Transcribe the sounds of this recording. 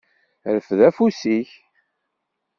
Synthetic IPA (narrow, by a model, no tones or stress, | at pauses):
ɾəfðæfusiç